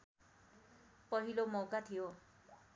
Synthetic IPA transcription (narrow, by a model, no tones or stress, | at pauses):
pɔɦilomowkat̪ʰijo